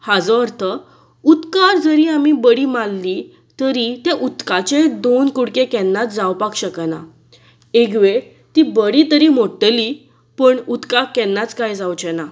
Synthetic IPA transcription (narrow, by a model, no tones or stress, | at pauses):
had͡zɔəɾt̪ʰə | ut̪kaɾd͡zəɾiamibəɽiːmalːi | t̪əɾit̪ɛ̃ʔut̪kat͡ɕed̪onkuɽkekɛnːat͡sd͡zawpakɕəkəna | eɡʋeɽ | t̪ibəɽiːt̪əɾimoʈːəli | pəɳut̪kakːɛnːat͡skajd͡zawt͡ɕɛna